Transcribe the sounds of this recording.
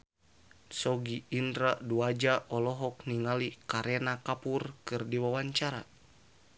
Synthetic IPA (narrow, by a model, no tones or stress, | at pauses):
sɔɡiindɾaduad͡ʒaʔɔlɔɦɔk̚niŋalikaɾɛnakapurkɨrdiwawaɲt͡ʃaɾa̰